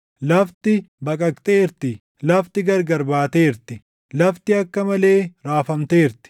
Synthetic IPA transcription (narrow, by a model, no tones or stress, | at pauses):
lɐft̪ɪbɐkʼɐkt̪ʼeːɪɾt̪ɪ | lɐft̪ɪɡɐɾɡɐɾbaːt̪e̞ːɪɾt̪ɪ | lɐft̪ɪɐkːɐmɐle̞ːɾaːfɐmt̪eːɪɾt̪ɪ̥